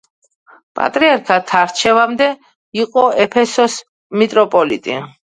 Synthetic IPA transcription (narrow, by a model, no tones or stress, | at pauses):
pʼa̰t̪ʼɾiaɾkʰat̪ʰaɾt͡ʃʰɛvamd̪ɛ | iqʼɔɛpʰɛsɔs | mit̪ʼɾɔpʼɔlit̪ʼi